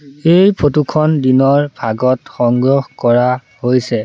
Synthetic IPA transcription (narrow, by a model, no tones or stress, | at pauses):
ejpʰotukʰɔndinɔɹbʱaɡɔtxɔŋɡɹɔxkɔɹa | hojsɛ